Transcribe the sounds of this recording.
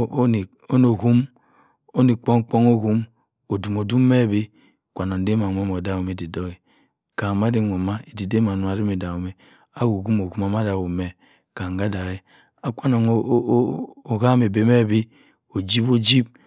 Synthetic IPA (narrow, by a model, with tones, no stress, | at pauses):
o˦no˨ɣu˦m | o˦ni˨k͡po˦ŋ˦k͡po˦ŋo˦ɣu˦m | o˨du˨mo˨du˦me˦˨be˦˨ | kʷa˨no˨n˦de˦ma˨nʷ˦o˦m˨o˨da˦wu˨me˨di˨do˦e˨ | ka˨ma˦de˦ŋʷo˨ma˦e˨di˨de˦ma˨nu˦a˨ɾi˦me˨da˨wu˨me˨ | a˦ɡu˨ɡu˦mo˨ɡu˦ma˨ma˦da˨wu˨me˨ | ka˨ŋ˨ɡa˦da˨e˨ | a˨kʷa˦no˨ŋ˦o˨ɣa˦me˨be˨me˦˨bi˦ | o˨d͡ʒi˦bo˦d͡ʒi˦b̚